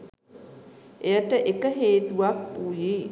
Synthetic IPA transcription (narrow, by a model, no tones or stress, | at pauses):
ʔejəʈəʔekəɦeːt̪uʋak̚puji